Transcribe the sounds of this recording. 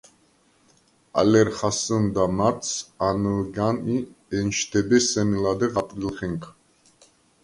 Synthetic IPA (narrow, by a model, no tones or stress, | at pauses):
a̰lɛɾχasənd̪amaɾt̪sanəɡaniɛnʃt̪ʰɛbɛsɛmilad̪ɛʁap̪ʼɾilχɛŋkʰ